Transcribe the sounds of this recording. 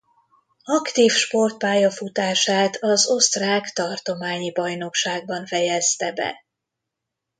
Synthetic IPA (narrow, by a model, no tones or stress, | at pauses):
ɒkt̪iːfʃpo̞rt̪̚paːjɒfut̪aːʃaːt̪ʰɒzo̞st̪raːkt̪ɒrt̪o̞maːɲibɒjno̞kʃaːɡ̚bɒɱfɛjɛst̪ɛbɛ̰